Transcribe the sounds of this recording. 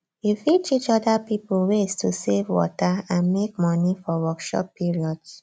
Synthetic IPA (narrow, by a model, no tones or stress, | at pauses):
ifit͡ʃit͡ʃɔdapipowestʰusevwɔ̰taãnmek̚mɔnifɔwɔkʃɔ̰pːiɹiɔds